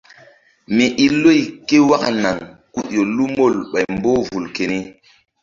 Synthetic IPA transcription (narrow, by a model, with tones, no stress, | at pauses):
mi˨ʔi˦lo˦jke˦wa˦ka̰˨na˨ŋku˦ɗjo˨lu˦mo˦˨lɓa˨jmbo˦vu˨lke˨ni˦